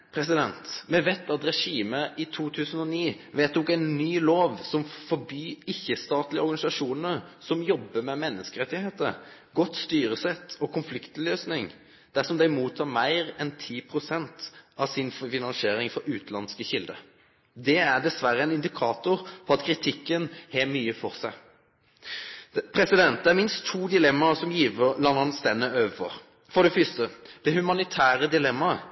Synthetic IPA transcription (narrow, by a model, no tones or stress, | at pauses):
pʰɾɛsɪd̪ɛnt̪mɛʋɛt̪ːɑt̪ɾɛʂiːməʔɪt̪ʰuːt̪ʰʉːsən̩ɔniː | ʋeːt̪d̪ɔkæɪnːyːloːʋsɔmfɔbyːɪçːəst̪ɑːt̪lɪəɔɾɡɑnɪsɑʂuːnəɾsɔmjɔbːəmɛmɛnːəskəɾɛt̪ːɪheːt̪əɾɡɔt̪ːst̪yːɾəsɛt̪ʰːɔkʰʊnflɪkt̪løːsnɪŋ | d̪̥æsɔmd̪æɪmuːt̪ʰɑːɾmæɪɾɛnt̪ʰiːpʰɾʊsɛnt̪ɑʋsɪnffɪnɑnseːɾɪŋfɔɾʉːt̪lɑnskəçɪld̪ə̰ | d̪ɛæʁd̪ɛsʋæɾːəɛnɪnd̪ɪkʰɑːt̪ʊɾpʰɔɑt̪kʰɾɪt̪ʰɪkːənhɛmyːəfɔʁsæɪ | pʰɾɛsɪd̪ɛnt̪̚d̪ɛæɾmɪnst̪ʰːuːd̪ɪlɛmːɑsɔmjiːʋəlɑnːɑnst̪ɛnːəøːʋəfɔ̰ɾ | fɔɖ̪ɛfʏst̪əd̪̥ɛhʉmɑnɪt̪ʰæːɾəd̪ɪlɛmːɑ